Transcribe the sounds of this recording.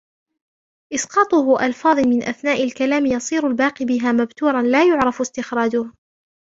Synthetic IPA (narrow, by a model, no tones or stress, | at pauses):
ʔɪsqɑːt̪ˤʊhʊʔɑlfɑːðˤmɪnʔaθnaːʔalkalaːmjɑsˤiːɾʊlbaːqibɪɦaːmabt̪uːɾˤɑnlaːjʊʕɾˤɑfst̪ɪxɾɑːd͡ʒʊh